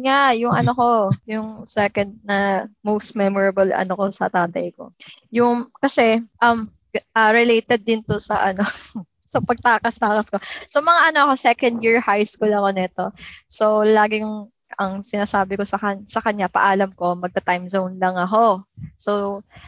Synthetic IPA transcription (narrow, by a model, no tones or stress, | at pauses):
ŋajʊŋɐno̞ko̞jʊŋsɛkɐnd̪̚nɐmowst̪̚mɛmɔɹɐbɐlʔɐ̰noko̞sɐ̰t̪aːt̪ɐjko̞̰jʊŋkɐsɛʔɐm | ʔaɾɪlejt̪ɛd̪ːɪnt̪osɐʔɐno̞ | sɐpɐɡ̚t̪aːkɐst̪aːkɐsko̞somɐŋaʔɐno̞ʔɐko̞sɛkɐ̃nd̪̚jiɹhajskuːlɐkonɛt̪o̞solaːɡɪŋ | ɐŋsɪnaːsaːbɪko̞sɐkɐsɐkɐɲapɐ̰ʔaːlɐmko̞mɐɡ̚t̪ɐt̪ajmzownlɐŋɐko̞so̞w